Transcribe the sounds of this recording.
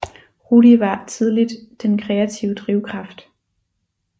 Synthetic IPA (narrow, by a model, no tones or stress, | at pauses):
ʁuɾiʋɑ̈t͡sʰið̞ˠlid̥d̥enkʰʁɛæt͡sʰiʊəd̥ʁiʊkʰʁɑ̈fd̥